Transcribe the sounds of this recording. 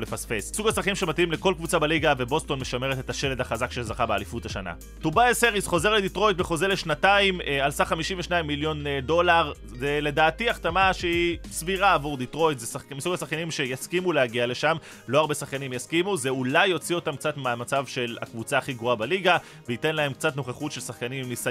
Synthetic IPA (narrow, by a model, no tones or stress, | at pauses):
lefasfe̞sisuɡasaχkaimʃe̞matimle̞ko̞lkvut͡sabaliɡave̞bo̞sto̞nme̞ʃame̞ʁet̪etaʃe̞le̞daχazakʃezaχabealifutaʃana̰ | tubaeseʁisχo̞ze̞ʁled̪itʁo̞jt̪̚beχo̞ze̞leʃnataimalsaχamiʃiɱveʃnaimːiljo̞ndo̞laʁ | ze̞le̞daːtiaχtamaʃeisviʁaːvuʁd̪itʁo̞jtzesaχmisuɡasaχkanimʃe̞jaskimulehaɡiale̞ʃam | lo̞aʁbe̞saχkanimjaskimuzeulajːo̞t͡sio̞tamk̚t͡sat̪meamat͡savʃe̞la̰kvut͡saːχiɡʁoabaliɡa | veite̞nlae̞mk̚t͡sat̪no̞χeχutʃe̞lsaχkanimmnis